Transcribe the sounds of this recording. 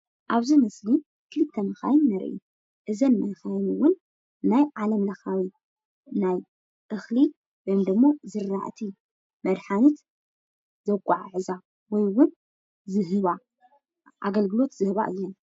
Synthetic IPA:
ʔaβzimɐsli | kʰɨlɨt̪ʰːɐnɨxa̰jnːɐɾ̰ʔu | ʔɨzɐnmɐnxajnɨwʊnː | ajʕalɐmlɐxawi | naj | ʔɨxli | wojmd̪ɨmːo̞zɨɾːa̰ʔt̪ʰi | mɐd̪ħanɨt̪ | z̥ɐkʷʼːaʕʕɨza | wɔjwʊn | zɨɦɨβa | ʔa̰ɡɐlɡɨlo̞t̪z̥ɨhɨβa̰ʔɨ̰jːon

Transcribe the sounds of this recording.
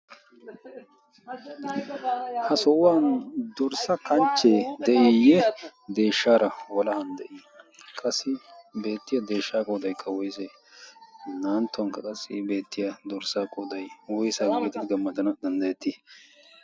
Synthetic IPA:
hɐsɔʔʊwaːnd̪ɔɾsɐkɐnt͡ʃːeːd̪ɛʔijɛd̪e̞ːʃːaːɾɐwɔlɐhɐnd̪ɛʔiːkʼɐsːɪbe̞ːt̪ːɪjɐd̪e̞ːʃːaːkʼoːd̪ɐjkʰːɐwɔjse | naːnt̪ːʊɐŋkːɐkʼɐsːɪbe̞ːt̪ːɪjɐd̪ɔɾsaːkʼoːd̪ɐjwɔjsaɡɡeːt̪ɪd̪ɪɡɐmːɐd̪ɐnɐd̪ɐnd̪ɐjɛt̪ːɪ

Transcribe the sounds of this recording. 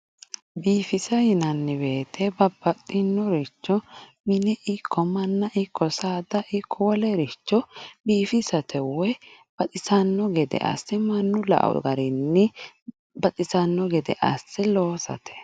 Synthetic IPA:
biːfɪsɐjɪnɐnːɪbe̞ːt̪ʰɛbɐbːɐt̪ʼːɪnːɔɾɪt͡ʃːɔmɪnɛʔɪkʰːɔmɐnːɐʔɪkːɔsaːd̪ɐʔɪkʰːɔwɔlɛɾɪt͡ʃːɔbiːfɪsɐt̪ʰɛwɛb̥ɐtʼɪsɐnːɔɡɛd̪ɛ̰ʔɐ̰sːɛmɐnːʊlɐ̰ʔɐ̰w̰ɡɐɾɪnːɪ | bɐtʼɪsɐnːɔɡɛd̪ɛʔɐ̰sːɛloːsɐ̰t̪ʰɛ̥

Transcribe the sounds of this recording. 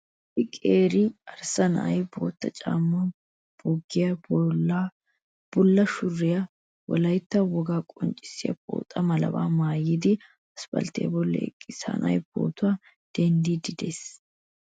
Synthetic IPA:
ɪkʼeːɾɪɐɾsɐnɐ̰ʔɐjbo̞̰ːt̪ːɐt͡ʃʼa̰ːmːɐ | b̥ɔɡːɪjɐ | b̥ʊlːɐʃʊrːɪjɐ | wɔ̰lɐjt̪ːɐwɔɡaːkʼɔnt͡ʃʼːɪ̥sːɪjɐ̰bo̰ːt̪ʼːɐmɐlɐ̰ba̰ːmaːjɪd̪ɪ | ɐspɐ̰lt̪ḛbɔlːɛ̰ɛ̰kʼːɪsɐ̰nʔɐʔjb̥o̞̰ːt̪ʊwaː | d̪̥ɛnd̪id̪ɪd̪eːs

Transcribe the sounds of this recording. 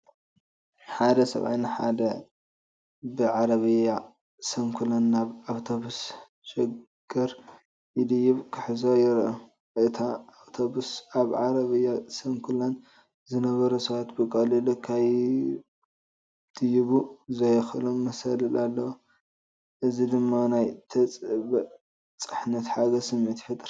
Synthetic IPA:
ħad̪ɐsɐ̰βʔa̰jnɨħa̰d̪ɐ | bɨʕaɾɐβɨja | sɐmkʰulɐnːaβawt̪ʰoβus | ʃɪɡ̥ɐɾ | jɪd̪ɨjːɪβkʰɨħɨzojɪɾʔo | ʔɨt̪ʰaːβt̪ʰobusaβʕaɾɐβɨjasɐmkʰulan | zɨnɐβɐɾɐsɐβat̪bɨkʼɐlɨlɨkʰaj | d̪̥ɨjiβuzɐjɐxɨlomːɐsɐlɐlʔalːɐwo | ʔɨzid̪ɨmːanajt̪ʰɐt͡sʼbɐ | t͡sʼɨ̥ħnɐt̪ħaɡɐsɨmːet̪ħɨt̪ʼɨɾ

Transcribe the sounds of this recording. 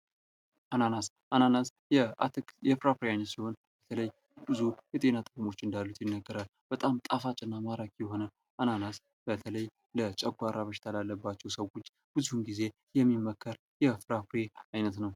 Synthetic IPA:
ʔananas | ʔananas | jɛjɛfɾapɾeajnət̪siho̞nb̥ət̪ʰələj | bɨzujɛt̪ʼe̞nat̪ʼɨkʼumo̞t͡ʃːɨnd̪alːut̪jɛnːəɡːəɾalb̥ət̪ʼamt̪ʼafat͡ʃʼɪnːamaɾakʰjɛɦo̞nə | ʔananas | b̥ət̪ʰələj | lət͡ʃʼɛɡʷaɾaβəʃɪ̥t̪ʰalalːəbːat͡ʃːɛwsəwo̞t͡ʃː | b̥ɨzuhunɡize̞ | jɛmːimːəkʰːəɾ | jɛfɾapɾeajnət̪nəw

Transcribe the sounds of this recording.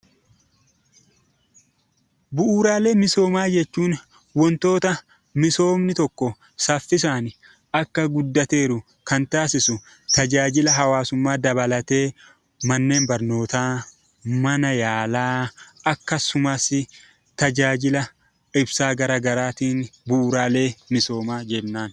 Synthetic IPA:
bʊʔuːɾaːle̞ːmɪso̞ːmaːd͡ʒɛt͡ʃːuːn | wɔnt̪o̞ːt̪ɐ | mɪso̞ːmnɪt̪ɔkːɔ | sɐfːɪs̬aːn | ɐkːɐɡʊd̪ːɐt̪e̞ːɾʊ | kɐnt̪aːsɪsʊ | t̪ɐd͡ʒaːd͡ʒɪlɐɦɐwaːsʊmːaːd̪ɐbɐlɐt̪e̞ː | mɐnːe̞ːnbɐɾno̞ːt̪aː | mɐnɐjaːlaːɐkːɐsʊmasɪ | t̪ɐd͡ʒaːd͡ʒɪlɐ | ɪbsaːɡɐɾaːɡɐɾaːt̪iːnbʊʔuːɾaːle̞ːmɪso̞ːmaːd͡ʒɛnːaːn

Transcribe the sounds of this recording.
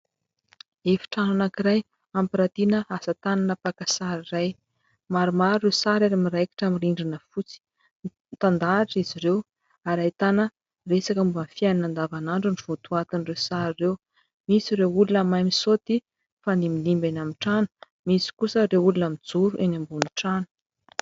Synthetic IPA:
efi̥ʈ͡ʂananakiɾaj | ampiɾat̪inəasət̪ananəpakasaɾiraj | maɾumaɾirewsaɾaɾamiɾajki̥ʈ͡ʂamiɾiɳɖ͡ʐinəfut͡si̥ | t̪and̪aʈ͡ʂiziɾew | aɾajt̪anə | resakəmuanfianinand̪avanaɳɖ͡ʐaniv̥ut̪uat̪inrewsaɾirew | misiɾewulunamajmisot̪i | faniminimbenamiʈ͡ʂanə̥ | misi̥kusəɾewulunamid͡zuɾuʔenambuniʈ͡ʂanu̥

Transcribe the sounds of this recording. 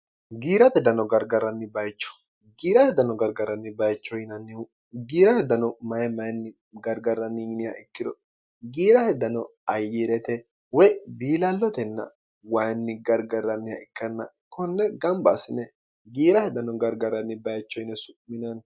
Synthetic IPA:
ɡiːɾɐt̪ɛd̪ɐnɔɡɐɾɡɐɾɐnːɪbɐjt͡ʃːɔ̥ | ɡiːɾɐtɛd̪ɐnɔɡɐɾɡɐɾːɐnːɪbɐjt͡ʃːɔjɪnɐnːɪ | ɡiːɾɐhɛd̪ːɐnɔmɐjɛmɐjnːɪ | ɡɐɾɡɐɾɐnːɪjnɪjɐʔɛkːɪd̪ɔ | ɡiːɾɐhɛd̪ːɐnɔɐjːiɾɛt̪ɛ | wɛbiːlɐlːɔt̪ɛnːɐ̰ | wɐjnːɪɡɐɾɡɐrːɐnːɪjɐ̰ʔɛkːɛnːɐ̰ | kɔnːɛɡɐmbasɪnːɛ | ɡiːɾɐt̪ɛd̪ɐnɔɡɐɾɡɐɾɐnːɪbɐjt͡ʃːɔjnɛsʊʔmɪnɐn

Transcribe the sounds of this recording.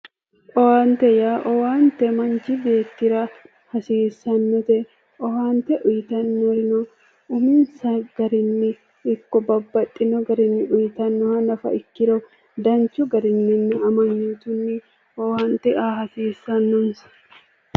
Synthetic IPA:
ʔʼɔwaːnt̪ɛjaːʔɔwaːnt̪ɛmɐnt͡ʃɪbe̞ːt̪ːɪɾɐ | hɐsiːsɐnːɔt̪ɛ | ʔɔwaːnt̪ɛʔʊjɪt̪ɐnːɔɾɪnɔ | ʊminsɐɡ̥ɐɾɪnːɪː | kːɔbɐbːɐt̪ʼːɪnɔɡɐɾɪnːɪʔʊjɪt̪ɐnːɔhɐnɐfɐ̰ʔɪkːɪɾɔ | d̪ɐnt͡ʃʊɡɐɾɪnːɪnːɪɐmɐnːiːt̪ʊnːɪ | ɔwaːnt̪ɛʔaːhɐsiːsːɐnːʊnsɐ̥

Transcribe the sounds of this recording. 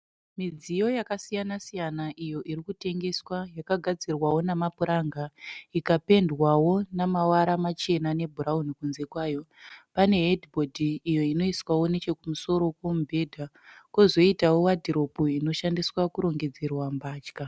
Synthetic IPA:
mid͡zijo̞jakasijanasijanaʔijo̞ʔiɾikute̞ŋɡe̞swajakaɡʱad͡zirwawo̞namapuɾaŋɡaikape̞ndwawo̞namawaɾamat͡ʃe̞nane̞bʱuɾaunikunze̞kwaːjo̞pane̞ɦedibʱodʱiːjo̞ino̞iswawo̞ne̞t͡ʃe̞kumuso̞ɾo̞kwomubʱe̞dʱa | kozo̞itawo̞wadʱiɾo̞puino̞ʃandiswakuɾo̞ŋɡe̞d͡ze̞rwambaːt͡ʃka

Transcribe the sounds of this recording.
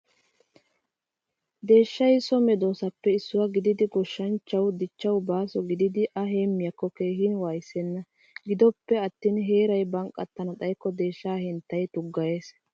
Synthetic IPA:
d̪e̞ːʃːɐjsɔmɛd̪o̞ːsɐpːɛɪsːʊwɐɡɪd̪ɪd̪ɪɡɔʃːɐnt͡ʃːɐwd̪ɪt͡ʃːɐwbaːsɔɡɪd̪ɪd̪ɪʔɐɦe̞ːmːɪjɐkːɔkeːhɪnwaːjsɛnːɐ | ɡɪd̪ɔpːɛɐt̪ːiːnɦe̞ːɾɐjbɐŋkʼːɐt̪ːɐnɐd̪ɐjkːɔd̪e̞ːʃːaːhɪnt̪ːɐjt̪ʊɡːɐje̞ːs

